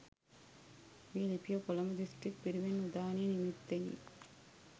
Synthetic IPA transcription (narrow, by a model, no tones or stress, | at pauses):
miːlipijɐkɔlɐmɐd̪isʈɾik̚piɾiʋenud̪aːniːnimit̪ːeɲḭ